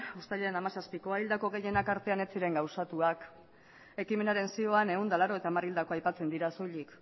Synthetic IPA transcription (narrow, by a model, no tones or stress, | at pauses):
ost̪aʎeenamasaspiko̞aild̪ako̞ɣe̞je̞nakaɾt̪e̞ane̞t͡siɾe̞ŋɡawsat̪uak | e̞kime̞naɾe̞nsio̞ane̞ɣund̪alaɾo̞e̞t̪amarild̪ako̞ajpat͡se̞nd̪iɾaso̞jʎik